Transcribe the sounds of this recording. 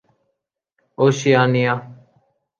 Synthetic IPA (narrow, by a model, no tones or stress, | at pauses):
oːʃɪjaːnɪjaː